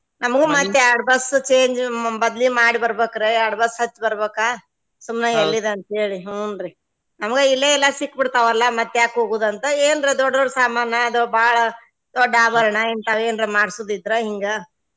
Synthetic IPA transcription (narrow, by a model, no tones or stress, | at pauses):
nɐmɐɡemɐt̪ːeaɽbɐst͡ʃeːɲd͡ʒbɐd̪limaːɽibɐɾbeːkɐɾeaɽbɐsɦɐt͡ʃːbɐɾbeːka | sumneelːid̪eɐnt̪ɐɦeːɭiɦoːnd̪ɾi | nɐmɐɡeilːeɛlːɐsikːbiɽt̪aʋɐlːɐmɐt̪ːɛjaːkɦoːɡuːd̪ɐnt̪ɐeːnɾed̪ɔɖd̪oɽsaːmaːɾnɐːd̪obaːɭɐ | d̪̥ɔɖːaːbɐɾɐɳɐent̪aːʋeːnɾemaːɽsuːd̪id̪ɾeɦiŋɡɐ